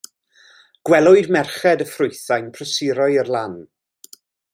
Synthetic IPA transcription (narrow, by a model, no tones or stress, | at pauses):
ɡ̥wɛlˠʊɨdmɛrχɛdəfrʊɨθajnpʰrəsɪɾɔɨərlˠan